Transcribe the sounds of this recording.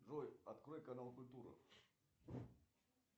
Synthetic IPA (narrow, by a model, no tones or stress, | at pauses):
ʐɔjɐt̪kɾɔjkɐnalˠkʊlʲt̪uɾɨ̰